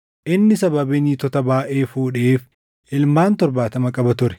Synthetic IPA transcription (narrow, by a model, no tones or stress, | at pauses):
ʔɪnːɪsɐbɐbɪniːt̪ɔt̪ɐbaːʔeːfuːᶑɛeːf | ɪlmaːnt̪ɔɾbaːt̪ɐmɐkʼɐbɐt̪ʊɾɛ̥